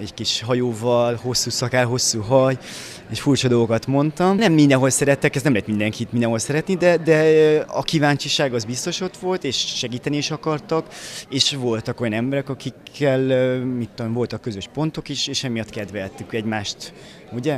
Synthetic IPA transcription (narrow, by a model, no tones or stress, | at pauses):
ɛɟkiʃɦɒjoːvɒlho̞sːuːsɒkaːlɦo̞sːuːɦɒj | eːʃfuːrt͡ʃɒd̪o̞lɡo̞kɒt̪mo̞nt̪ɒmnɛmːind̪ɛnɦo̞lsɛɾɛt̪ːɛkɛst̪nɛmlɛt̪mind̪ɛŋkiːt̪mind̪ɛnɦo̞lsɛɾɛt̪nid̪ɛd̪ɛɒkivaːɲt͡ʃiʃaːɡɒzbist̪o̞ʃo̞t̪ʋo̞lt̪eːʃːɛɡiːt̪ɛniiːʃɒkɒrt̪ɒkeːʃʋo̞lt̪ɒko̞jɒnɛmbɛɾɛkɒkikʰːɛlmit̪ːomvo̞lt̪ɒkːø̞zøʃpo̞nt̪o̞kiʃeːʃɛmijɒt̪kɛd̪ʋɛlt̪ykɛɟmaːʃt̪ | uɟɛ